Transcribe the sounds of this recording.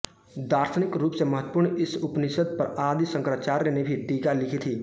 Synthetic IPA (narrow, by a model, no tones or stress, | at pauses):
d̪aːɾt̪ʰənɪkɾuːpseməɦət̪ːpuːɾɳɪsʊpnɪsəd̪̚pəɾaːd̪isə̃ŋkɾaːt͡ʃaːɾːenebʱiʈiːkalɪkʰit̪ʰiː